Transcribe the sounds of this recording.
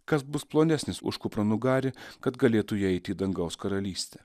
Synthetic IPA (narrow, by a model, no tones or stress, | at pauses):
kɐsbʊsplˠoːnʲæsʲnʲɪsʊ̰ʃkʊpɾɐnʊɡɑːɾʲɪkɐt̪ɡɐlʲeːt̪ʊjɛɛɪt̪ʲiːd̪ɐŋɡɐʊskɐɾɐlʲiːsʲt̪ʲɛː